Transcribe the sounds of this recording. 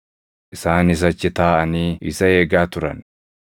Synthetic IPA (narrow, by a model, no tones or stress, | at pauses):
ʔɪsaːnɪs̬ɐt͡ʃːɪt̪aːʔɐniːɪ̰sɐeːɡaːt̪ʊɾɐ̰n